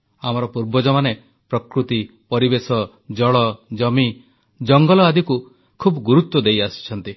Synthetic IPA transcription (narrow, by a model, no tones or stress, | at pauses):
amɔɾɔpuɾbɔd͡ʒɔmane | pɾɔkɾut̪i | pɔɾibesɔ | d͡ʒɔɭɔd͡ʒɔmi | d͡ʒɔŋɡɔlɔad̪iku | kʰubɔɡuɾut̪wɔd̪ejasi̥t͡ʃʰɔnt̪i